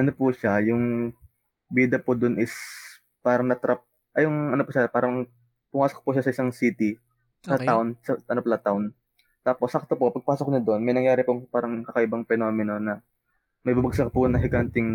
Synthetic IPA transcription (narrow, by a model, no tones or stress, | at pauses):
ʔɐnopʊʃajʊŋ | biːd̪ɐpʊd̪ʊnʔɪs | paːɾɐŋnɐt̪ɾap̚ | ʔɐjʊŋɐnopʊʃapaːɾɐŋ | pʊŋaːso̥k̚pʊʃasɐʔɪsaŋsiːt̪i | ɐt̪ansɐɐnoplɐt̪aʊn | t̪aːposɐk̚t̪opopɐɡ̚paːsokɲɐd̪oʔonmɐjnɐŋjaːɾɪpopaːɾɐŋkɐkɐʔɪbɐŋpɛno̞ːmɪno̞nɐ | mɐjbabɐɡ̚sɐk̚pʊnɐŋɦɪɡant̪ɪŋ